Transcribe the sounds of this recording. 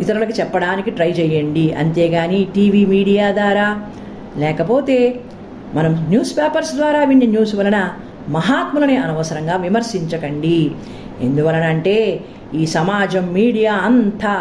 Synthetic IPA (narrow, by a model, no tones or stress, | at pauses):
it̪ɐɾulɐkit͡ʃɛpːɐɽaːnikiʈɾɐjt͡ʃɛːjɐɳɖiɐ̰nt̪eːɡaːniʈiːʋiːmiːɽijaːd̪ʋaːɾaː | lɛːkɐpo̞ːt̪e̞ː | mɐnɐmnjuːspeːpɐɾsd̪ʋaːɾaːʋiɳjɐnjuːsuʋɐlɐnɐ | mɐɦaːt̪mulɐneːɐnɐʋɐsɐɾɐŋɡaːʋimɐɾsiɲt͡ʃɐkɐɳɖi | e̞̰nd̪uʋɐlɐnːɳʈe̞ː | iːsɐmaːd͡ʒɐmːiːɽijaːɐnt̪ɐ